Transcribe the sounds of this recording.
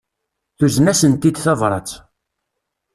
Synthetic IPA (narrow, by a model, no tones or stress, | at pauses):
θuznæsənt̪id̪θævɾˤɑ̰t͡s